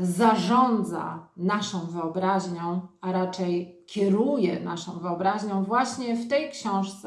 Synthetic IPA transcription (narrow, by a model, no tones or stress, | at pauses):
zaʐɔnd̪za̰naʂɔ̃w̃vɘɔbɾaʑɲɔ̃w̃aɾat͡ʂɛjkʲʰɛɾujɛnaʂɔ̃w̃vɘɔbɾaʑɲɔ̃w̃vwaɕɲɛft̪ɛjkɕɔ̃w̃ʂt̪sɛ